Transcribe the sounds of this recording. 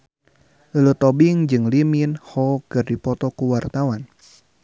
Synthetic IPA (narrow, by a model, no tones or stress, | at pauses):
ləlut̪ɔbiŋd͡ʒɨŋliminhɔkɨrdipɔt̪ɔkuwart̪awan